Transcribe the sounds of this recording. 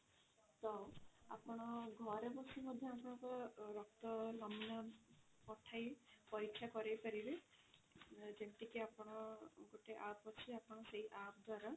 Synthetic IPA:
t̪ɔwa̰pɔɽ̃ɔɡʱɔɾebɔsimɔd̪ʱjɔapɔɽ̃ɔ̃kɔɾɔk̚t̪ɔlɔmna | pɔʈʰajpɔikʃʰakɔɾejpaɾile | d͡ʒeʈikiapɔɽ̃ɔɡoʈeʔapɔt͡ʃʰiapɔɽ̃ɔseɦiʔap̚d̪ʱwaɾɔ

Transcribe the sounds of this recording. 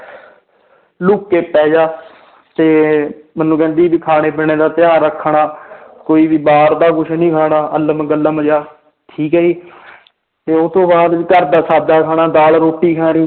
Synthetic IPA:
lʊːkːeːpɛːd͡ʒaː | t̪eːmənːũːkɛ̃ːnd̪iːbiːkʰaːneːbɪɳeːd̪aːt̪ɪjãːɾəkʰːɳaːkoːiːʋiːbaːɾd̪aːkʊʃʰnĩːkʰaːɳaːʔələmɡələmd͡ʒaː | ʈ̪ʰiːkəiː | t̪eːot̪õːbaːd̪ʋiːkəɾd̪aːsaːd̪aːɛːkʰaːnaːd̪aːlɾoːʈːiːkʰaːɾiː

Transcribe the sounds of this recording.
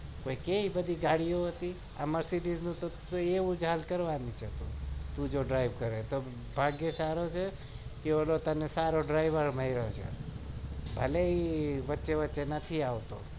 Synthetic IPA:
koːikeibəd̪ʱiɡaɽijoɦət̪i | ə̰məɾsiʈid͡ʒnũt̪o | eʋũd͡ʒʱalkəɾʋanit͡ʃʰet̪ṵ̃t̪ũd͡ʒoɖɾaɪʋkəɾet̪o | bʱaɡjesaɾot͡ʃʰe | kiolot̪ənesaɾoɖɾaɪʋəɾməiɾot͡ʃʰḛ | bʱəleiʋətːʃeʋətːʃenət̪ʰiaʋt̪o̰

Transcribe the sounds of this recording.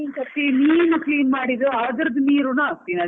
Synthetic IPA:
inkɐt̪ːiniːnukliːnmaːɽid̪uaːd̪ɐɾɐd̪umiːɾunat̪inɐ

